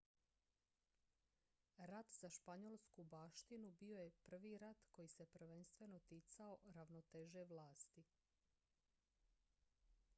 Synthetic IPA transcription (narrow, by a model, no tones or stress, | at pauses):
ɾat̪z̥aʃpaɲolˠskubaːʃt̪inubio̞je̞pr̩ʋiːɾat̪ko̞jise̞pr̩ʋe̞nst̪ʋe̞no̞t̪it̪sao̞ɾaʋnot̪eʒe̞ʋlaːst̪i